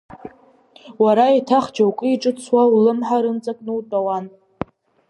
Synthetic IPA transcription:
waɾaitʰaχd͡ʒawkʼɨiʈ͡ʂʼɨt͡sʰwaulɨmħaɾɨnt͡sʼakʼnɨwtʼawan

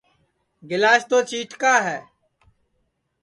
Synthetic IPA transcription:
ɡɪlaːʃt̪oːt͡ʃiːʈkaːɦɛː

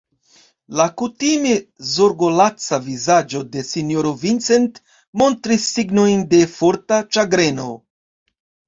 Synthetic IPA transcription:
lakutimezoɾɡo̞lat͡savizad͡ʒo̞de̞sinjoɾovint͡se̞nt | mo̞ntɾisːiɡno̞jnde̞fo̞ɾtat͡ʃaɡɾe̞no̞̰

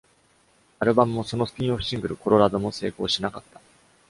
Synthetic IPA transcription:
aɾɯ̟bamɯ̟mo̞so̞no̞sɨ̥k̟ʲĩoɸɯ̟ɕĩŋɡɯ̟ɾɯ̟ko̞ɾo̞ɾad̪o̞mo̞se̞̰ːko̞ːɕinakat̪ːḁ

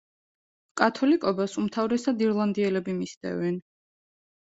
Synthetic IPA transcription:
kʼat̪ʰɔlikʼɔbasumt̪ʰavɾɛsad̪iɾlˠand̪iɛlɛbimist̪ɛ̰vɛn

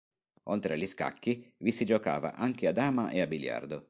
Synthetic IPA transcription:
olt̪ɾeliska̰kːivisid͡ʒoka̰ːva̰ʔaŋkead̪aːmaʔeabilja̰rd̪o

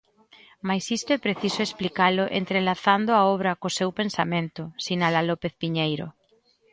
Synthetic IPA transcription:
majsist̪ʊɛpɾeθisʊesplikalʊʔḛnt̪ɾelaθand̪ʊaɔβɾɐkosewpensamẽnt̪ʊsinalalɔpeθpiɲejɾo̰

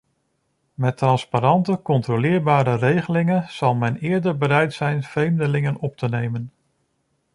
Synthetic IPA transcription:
mɛtrɑnspaɾɑntəkɔntrolɪːɹbaːɾərejχəlɪŋənz̥ɑlˠmɛnɪːɹdəɹbəɾɛjtsɛjnv̥rejmdəlɪŋənɔp̚tənejmən

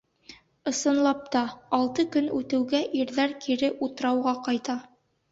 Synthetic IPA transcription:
ɤ̆sɤ̆nlˠɑp̚t̪ɑːlˠt̪ɤkɵnʉt̪ɘ̆wɡæʔiɾðæɾkʰiɾɘʔut̪ɤ̆ɾɑwʁɑqɑjt̪ɑ

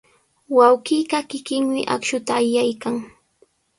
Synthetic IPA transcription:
wawkiːkakɪkɪŋmɪʔa̰kʃʊt̪aːjajkaŋ

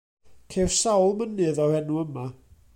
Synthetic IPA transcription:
kʰersawlˠmənɨðɔhɛnuəma

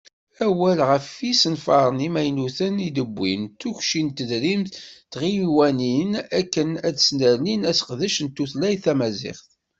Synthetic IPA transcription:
æwælʁəfisənfɑɾˤənimæjnuθənid̪əbʷːḭnt̪ːuçʃint̪ːəðɾimtt̪ʁijwæninækːənæðsnəɾninæsə̥qðəʃənt̪ːuθlæjθæmæzɪ̰χθ

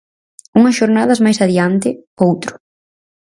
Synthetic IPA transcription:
uŋɐsʃoɾnað̞ɐzmajsaðiant̪ɪowt̪ɾʊ̥

